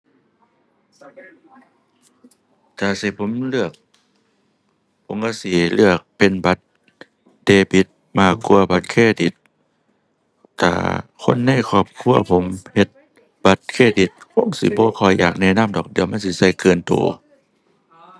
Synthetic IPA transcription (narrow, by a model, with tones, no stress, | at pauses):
t̪ʰaː˧˩si˧˦pʰo˧˥˦mlɯ˧˩ək̚ | pʰo˧˦mka˧˥˩si˧˦lɯ˧˩ək̚pe˨nba˧˦t̪̚ | deː˧bi˧˦t̪̚maː˧˩kːu˧˨ɐba˧˦t̪̚kʰeː˧˨di˧˦t̪̚ | t̪ʰːa̰ː˧˩kʰo˧˥˨nːa˧˥˨jkʰɔː˧˩p̚kʰu˧˥˨ɐpʰo˧˦mhe˧˦t̪̚ | ba˧˦t̪̚kʰeː˧˩˨di˨˧˦t̪̚kʰo˧˥˨ŋsi˧˦bɔː˧˦kʰɔ˧˩jjaː˨˩k̚nɛː˧˥˨na˧˥˨mdɔː˨˩k̚di˨˧əwma˧˥˨nsi˧˦sa˧˩jkɯː˨nt̪o̰ː˨˦